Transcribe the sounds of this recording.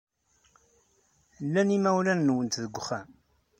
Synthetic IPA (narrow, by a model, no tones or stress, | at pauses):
lːænimæwlænːwənt̪ðəɡʷːχæ